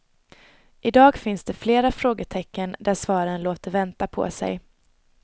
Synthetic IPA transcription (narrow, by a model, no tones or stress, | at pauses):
ʔɪd̪ɑːɡfɪnsd̪ɛfleːɾafɾoːɡəʈʰɛkːənd̪æɾsvɑːɾənloːt̪əɾvɛnt̪apʰɔ̰sɛ̰j